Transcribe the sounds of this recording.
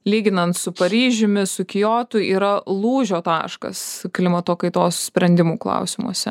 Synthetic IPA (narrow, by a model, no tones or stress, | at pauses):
lʲiːɡʲɪnɐnt̪sʊpɐɾʲiːʒʲʊmʲɪsʊkʲɪjoːt̪ʊiːɾɐlˠuːʒʲoːt̪ɑːʃkɐ̰sklʲɪmɐt̪oːkɐɪt̪oːssʲpʲɾʲɛnʲd̪ʲɪmuːklˠɐ̰ʊsʲɪmṵɔsʲɛ